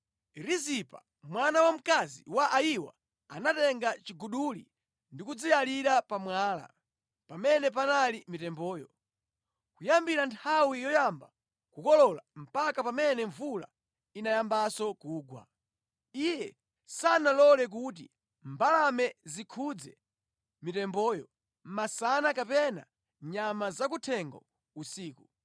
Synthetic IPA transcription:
ɾizipa̰ | mwanawam̩kazḭwaʔajiwa̰ | anatɛŋɡat͡ʃiɡuɗulḭ | ndikud͡zijaliɾapamwaːla̰ | pamɛnɛp̬analimitɛmbɔːjɔ | kujambiɾantʰawijɔjamba | kukɔlɔlam̩pakapamɛnɛɱvula̰ | inajambasɔkuːɡwa̰ | ijɛ | sanalɔlɛk̬ut̬ḭ | mbalamɛzikʰud͡zɛ | mitɛmbɔːjɔ | m̩masanakapɛna̰ | ɲamazak̬utʰɛŋɡɔ | usiːku

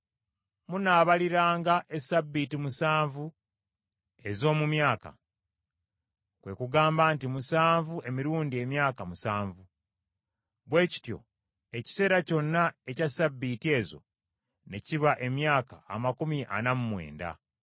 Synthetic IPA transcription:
munaːβaliɾaːŋɡaʔe̞sabːiːtimusaːɱvu | e̞zo̞ːmumjaːka̰ | kwe̞kuɡaːmbaːntimusaːɱvue̞miɾuːndie̞mjaːkamusaːɱvu | βwe̞ːci̥tjo̞̰ | e̞ci̥se̞ːɾaco̞nːaecasabːitie̞ːzo̞̰ | ne̞ciβaʔe̞mjaːka̰ːmakumiʔa̰namumwe̞̰ːnda̰

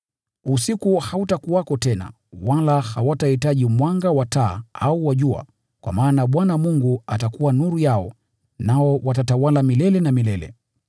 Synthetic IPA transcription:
usikuhautakuwakɔtɛna̰ | walahawatahitaʄimwaŋɡawataːauwaʄua̰ | kwa̰maːnaɓwanamuŋɡuatakuwanuɾujaɔ̰ | naɔwatatawalamilɛlɛnamilɛlɛ̰

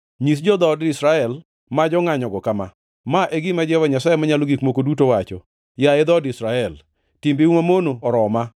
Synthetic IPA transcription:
ɲis̬d͡ʒɔd̪ɔdɪsɾaɛl | mad͡ʒɔŋaɲɔɡɔkama̰ | maʔeɡɪmad͡ʒɛwaɲasajɛmaɲalɔɡikmokodutowat͡ʃɔ̰ | jaɪd̪ɔdɪsɾaɛl | timbiumamonoɔɾɔma

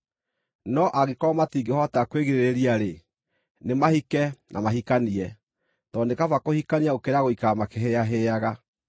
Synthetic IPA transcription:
nɔʔaɣekɔmatiŋɡehɔtakweɣeɾeɾeɾiaɾe | nemahikɛnʔa̰maɦikaniɛ | tɔndekavakohikaniaokeɾaɣoikamakeɦeaɦeaɣa

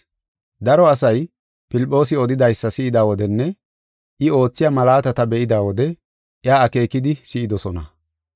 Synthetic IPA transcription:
d̪ɐɾɔɐsɐj | pɪlpʼːo̞ːs̬ɪɔd̪ɪd̪ɐjsːɐsɪɪd̪aːwɔd̪ɛnːɛ | ʔɪo̞ːt͡sːɪjamɐlaːt̪ɐt̪ɐbɛʔɪd̪aːwɔd̪ɛ | ʔɪaːɐke̞ːkɪd̪ɪsɪʔɪd̪ɔsɔnɐ̰

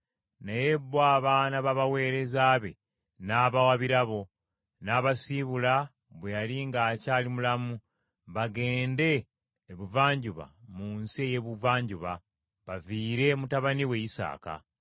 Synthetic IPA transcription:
najebːwaːβanaβaβawe̞ːɾe̞zaːβe̞̰ | naːβawaβiɾaβo̞ | naːβasiβula | βwejaliŋɡaːcaːlimulamu | βaɡe̞ːnde̞ː | βuvaːɲɟuβa̰munsie̞je̞βuvaːɲɟuβa | βaviːɾe̞mutaβaniwe̞jisa̰ːka̰

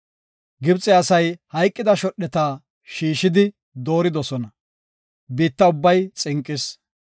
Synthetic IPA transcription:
ɡɪbt͡sʼɛɐsɐjhɐjkʼːɪd̪ɐʃɔɗːɛt̪aː | ʃiːʃɪd̪ɪ | d̪o̞ːɾɪd̪ɔsɔnɐ | biːt̪ːɐʊbːɐjt͡sʼɪŋkʼːɪs

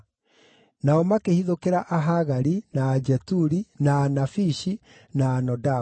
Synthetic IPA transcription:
naɔmakehiðokeɾaʔaɦaɣaɾinaːd͡ʒɛtuɾinaːnafiʃi | naːnɔda

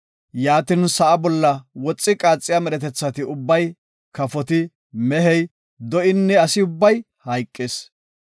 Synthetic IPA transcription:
jaːt̪ɪnsɐʔɐbɔlːɐwɔt͡sʼːɪkʼaːt͡sʼːɪjamɛɾɛt̪ɛt͡sːɐt̪ɪʊbːɐj | kɐfɔt̪ɪ | mɛɦɛj | d̪ɔʔɪnːɛɐsɪʊbːɐj | hɐjkʼːeːs

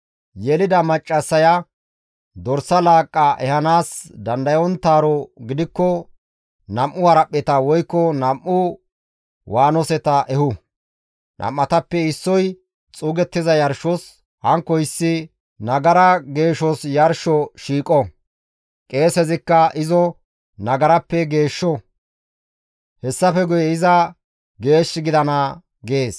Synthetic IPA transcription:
jɛlɪd̪ɐmɐt͡ʃʼːɐsːɐjɐ | d̪ɔɾsːɐlaːkʼːɐʔɛhɐnaːsd̪ɐnd̪ɐjɔnt̪aːɾɔɡɪd̪ɪkːɔ | nɐmʔʊhɐɾɐpʼːɛt̪ɐwɔjkːɔnɐmʔːʊ | wʔaːnɔsɛt̪ɐʔɛhʊ | nʔɐ̰mːɐt̪ɐpːɛɪsːɔj | t͡sʼuːɡɛt̪ːɪzɐjɐɾʃɔs | hɐŋkːɔjɪsːɪ | nɐɡɐɾɐɡe̞ːʃɔsjɐɾʃɔʃiːkʼɔ | kʼe̞ːsɛzɪkːɐʔɪzɔ | nɐɡɐɾɐpːɛɡe̞ːʃːɔ | hɛsːɐfɛɡʊjɛɪzɐ | ɡe̞ːʃːɪɡɪd̪ɐnɐ | ɡeːs

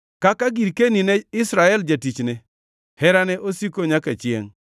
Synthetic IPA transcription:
kakaɡiɾkeninɛɪsɾaɛld͡ʒatit͡ʃnɛ | hɛɾanɛʔosikoɲakat͡ʃɪḛŋ

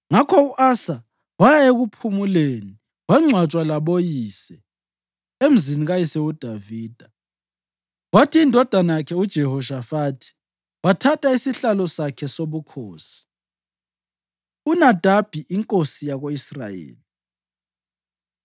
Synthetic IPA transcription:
ŋakʰɔuʔasa | wajaeɣupʰumuleni | waŋ͡ǀwat͡ʃʼwalaβojiːsɛ | em̩ziniɣajisɛud̥ʱaviːd̥ʱa | watʰiːndʱɔd̥ʱanajakʰɛud̥ʒ̥ʱɛhɔʃafatʰi̥ | watʰatʰʼaisiɬalɔsakʰɛsoβukʰoːsi̥ | unad̥ʱab̥ʱiʔiŋkʼosijaɣoisra̰jḛːli

